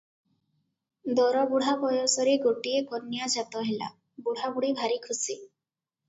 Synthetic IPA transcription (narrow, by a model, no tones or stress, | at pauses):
d̪ɔɾɔbuɽ̤abɔjɔsɔɾeɡoʈiekɔnːjad͡ʒat̪ɔɦela̰ | buɽ̤abuɽ̤ibʱaɾikʰusi